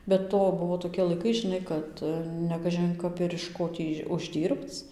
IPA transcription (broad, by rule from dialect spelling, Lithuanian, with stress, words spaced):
bʲɛ ˈtoː ˈbʊʋoː toːkʲiɛ lˠɐɪˈkɐɪ ʒʲɪˈnɐɪ ˈkɐt nʲɛkɐʒʲɪn ˈkɐp ɪr ɪʃ ˈkoː tʲiː ʊʒʲˈdʲiːrpt͡s